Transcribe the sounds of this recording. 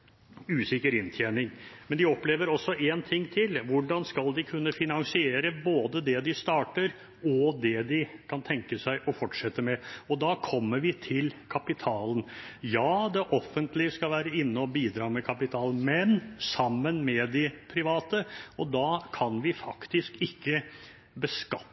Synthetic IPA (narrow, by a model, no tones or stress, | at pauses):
ʉːsɪkəɾɪnt̪ʰjeːnɪŋmɛnd̪ɪɔpleːʋəɾɔsːɔʔeːnt̪ʰɪŋːt̪ʰɪlʋʊɖɑnskɑld̪ɪkʰʉnːəfɪnɑnsɪeːɾəboːd̪əd̪ɛd̪ɪst̪ɑːʈəɾ | ɔd̪ɛd̪ɪkʰɑnt̪ʰɛŋkəsæɪʔɔfɔʈʂɛt̪ːəmɛɔd̪ɑːkʰɔmːəɾʋɪt̪ʰɪlkʰɑpɪt̪ʰɑːlən | jɑːd̪ɛʔɔfːənt̪lɪskɑlʋæːɾəɪnːəɔbiːd̪ɾɑːmɛkʰɑpɪt̪ʰɑːlən̩mɛnsɑmːənmɛd̪ɪpʰɾɪʋɑːt̪əɔd̪ɑːkʰɑnʋɪfɑkt̪ɪskɪkːə | bəskɑ